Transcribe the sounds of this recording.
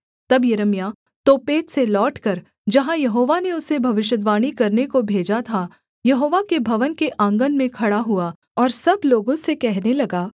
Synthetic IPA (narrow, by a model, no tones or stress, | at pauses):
t̪ɐbjɐɾəmija | t̪oːpeːt̪selɔːʈkɐɾ | d͡ʒɐɦãjɐɦoːʋaneʊsebʱɐʋɪʃjəd̪ʋaːɽ̃ikɐɾnekobʱeːd͡ʒat̪ʰa | jɐɦoːʋakebʱɐʋənkeʔãːŋɡənmẽkʰɐɽaɦua | ɔːɾsɐbloːɡõsekɛɦnelɐɡaː